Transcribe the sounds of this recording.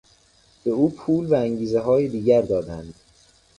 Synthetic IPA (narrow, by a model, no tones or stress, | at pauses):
b̥e̞uːpʰuːlvææŋɟiːzeɦɒːjed̪iːɟæɾd̪ɒːd̪ænd̪̥